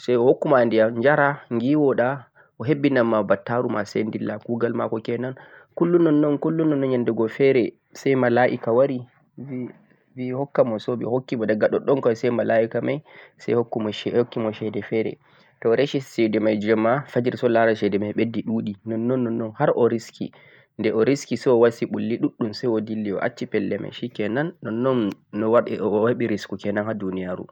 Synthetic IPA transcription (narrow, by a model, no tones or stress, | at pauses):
sajɔhokːumandijaɲd͡ʒaɾaŋɡiwɔɗa | ʔɔɦebːinamːabatːaɾumasḛndilːakuɡalma̰kɔkɛnankulːunɔnːɔnkulːunːɔnːɔnɲandɛɡɔfɛɾɛ | sɛjmalaʔḭkawaɾi | vihɔkːamɔsɔɓḭhokːimɔdaɡaɗɔɗɔnkɔsɛjmalaʔikamajsajhokːumɔɛhokːimɔʃɛdɛfɛɾɛ̰ | tɔɾeʃisɛdɛmajd͡ʒɔmːafad͡ʒiɾsɔlaɾaʃɛdɛmajɓedːiɗuːɗinɔnːɔnːɔnːɔnhaɾʔɔɾiskʰḭ | ndɛʔɔɾiskisɛɔwasiɓulːiɗuɗːumsajɔdilːiɔ̰ʔa̰t͡ʃːipɛlːɛmʔa̰jʃikɛnanːɔnːɔnːɔwaɗɛ̰ʔɔwaɓiɾiskukɛnanhadunijaɾṵ